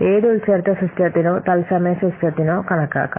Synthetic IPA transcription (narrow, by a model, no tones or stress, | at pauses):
eːðɨult͡ɕɐrt̪ːɐsust̪jɐt̪ːinoːt̪ɐlsɐmɐjɐsust̪ʰɐt̪ːinoːkɐɳɐkːa̰ːkːa̰